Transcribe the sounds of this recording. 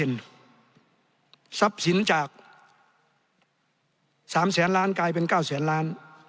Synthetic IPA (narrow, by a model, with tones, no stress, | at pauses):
e˨˩n | sa˧˦˥p̚si˨˦nt͡ɕaː˨˩k̚ | saː˨˩˦msɛː˨˩˦nlaː˦˥nkaː˧jp̬e˧nkaː˥˩wsɛː˩˦nlaː˦˥n